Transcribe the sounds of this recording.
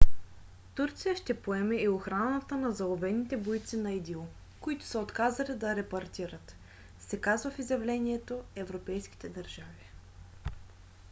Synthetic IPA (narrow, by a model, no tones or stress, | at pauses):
t̪uɾt̪sijəʃt̪ɛpoɛmɛioxɾanət̪ənɐzɐlˠobɛnːit̪ɛbojt̪sinɐid̪ilˠ | koit̪ʊ̥səot̪kazɐlid̪ɐɾɛpɐɾt̪iɾət̪ | sɛkazvəfizjɐvlɛniɛt̪oɛvɾopɛjsk̟i̥t̪ɛd̪ɐɾʒavi